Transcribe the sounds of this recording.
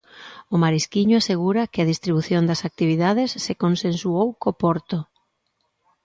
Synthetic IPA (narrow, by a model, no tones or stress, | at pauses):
ʊmaɾiskiɲʊaseɣ̞uɾɐkɪɐðist̪ɾiβuθjond̪ɐsak̚t̪iβ̞iðaðesːekonsẽnsuowkopɔɾt̪o